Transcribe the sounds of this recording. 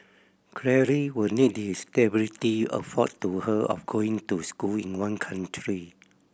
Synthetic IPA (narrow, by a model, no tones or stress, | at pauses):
kʰɹɛɹiwənit̚diɛstɛbilitiə̰fɔttːuhəʔɔ̰fɡoĩŋtuskulḭ̃nwãnkʰãntʰɹi